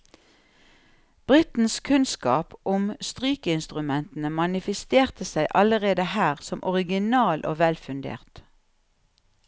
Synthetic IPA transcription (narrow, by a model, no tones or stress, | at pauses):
b̥ʁɪt̪n̩skʰʉnskɑːpʔʊmst̪ʁyːkəɪnst̪ʁʉmɛnt̪n̩əmɑnɪfəst̪eːʁt̪əsæɪʔɑləʁeːd̪əhæːʁsɔmʔɔʁɪɡɪnɑːlʔo̰ːʋɛlfʉnd̪ḛːʁt̪